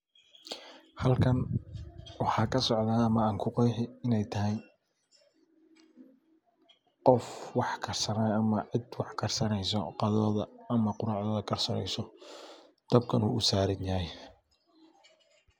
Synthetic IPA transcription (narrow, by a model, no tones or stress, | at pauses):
hɐlkʰɐn | wɑħɑːkʰɐsɔʕðaːɐmɐaːŋkʰʊqɑjħɪɪnɛjt̪ʰɐɦɛj | qɔfwɑħkʰɐrsɐnaɐmɐʕɪd̪wɑħkʰɐrsɐnɛjsɔ̰qɑðɔːðɐɐmɐqʊɾaːʕðɔːðɐkʰɐrsɐnɛ̰jsɔ | d̪̥ɐb̚kʰɐnṵːʔʊsaːɾɐnjɐɦɛj